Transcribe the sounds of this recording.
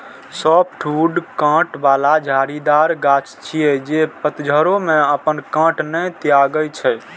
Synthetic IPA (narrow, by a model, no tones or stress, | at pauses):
sɔp̚ʈʰuɖkə̃ʈbalad͡ʒʱaɾid̪aɾɡat͡ʃt͡ʃʰijɛd͡ʒepət̪d͡ʒʱəɾomeəpənkə̃ʈnɛt̪ijaɡəjt͡ʃʰɛ